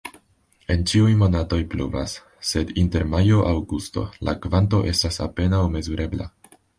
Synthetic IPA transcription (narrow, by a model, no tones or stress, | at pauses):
e̞nt͡ʃiujmo̞nato̞jplṵva̰sː | e̞dinte̞ɾmajo̞ʔawɡusto̞̰la̰kvanto̞̰ʔe̞stasa̰pe̞nawme̞zuɾʔe̞bla̰